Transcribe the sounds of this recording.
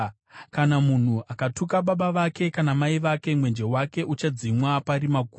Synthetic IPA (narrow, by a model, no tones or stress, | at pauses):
kanamun̤uʔakatukaɓaɓaʋake̞kanamaiʋake̞mwe̞nd͡ʒe̞wake̞ʔut͡ʃad͡zimwapaɾimaɡʱu